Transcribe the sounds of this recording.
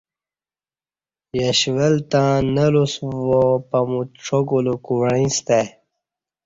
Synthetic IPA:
jəɕʋəlt̪ãːnəlusvopɐmuʈ͡ʂʰoɡulukuɳĩst̪e

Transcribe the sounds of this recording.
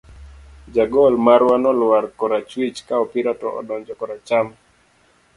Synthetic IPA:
d͡ʒaɡɔlmaɾwanɔlwaɾkɔɾat͡ʃwit͡ʃkaɔpiɾatɔ̰ʔɔ̰dɔɲd͡ʒɔkɔɾat͡ʃam

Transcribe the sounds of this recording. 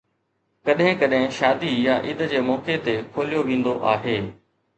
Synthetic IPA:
kɐɗɦɪ̃kɐɗɦɪ̃ʃaːd̪ijaʔiːd̪d͡ʑeːmɔːket̪ekʰoːlijoʋĩːn̆d̪oʔaːɦeː

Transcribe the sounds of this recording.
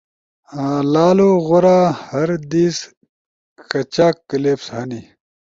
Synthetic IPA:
laːloɣoɾaːhɐɾd̪iːs | kɐt͡ɕaːkːɐleːpshɐni

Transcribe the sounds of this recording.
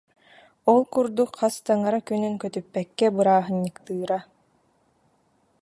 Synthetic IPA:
ɔlˠkuɾd̪ukχast̪aŋaɾakynyŋkœt̪ypːɛkːɛbɯɾaːɦɯɲːɯkt̪ɯːɾa

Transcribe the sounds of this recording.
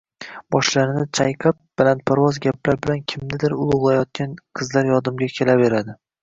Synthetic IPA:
bɒʃlaɾɪnɪt͡ʃʰajqʰɨp̚b̥alant̪̚pʰaɾwɒzɡʲaplaɾbɪlankʲʰɪmnɪd̪ɪɾʊlˠʊʁlˠajɒt̪̚kʲanqʰɨzlaɾjɒd̪ɪmɡʲakʲʰe̞labe̞ɾad̪ɪ

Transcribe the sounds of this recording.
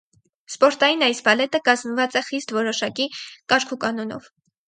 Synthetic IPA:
spɔɾt̪ɑjinɑjsbɑlɛt̪əkɑzmvɑt͡sɛχist̪vɔɾɔʃɑkikɑɾkʰukɑnɔnɔ̰v̥

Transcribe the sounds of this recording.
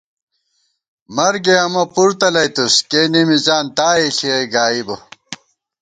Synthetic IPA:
mɐɾɡeɐmɐpuɾt̪ɐlɐjt̪uskeːnimizaːnt̪aːiɬieɡaːibɐ

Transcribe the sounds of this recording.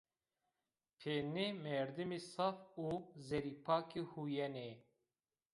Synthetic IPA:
pʰeːnemɛɾd̪imisɑfuːzɛɾipʰaːkihujɛne

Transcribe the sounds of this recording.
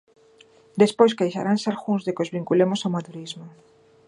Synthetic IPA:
d̪espojskajʃa̰ɾansaɾxunzðekozβiŋkulemosawmat̪uɾizmo

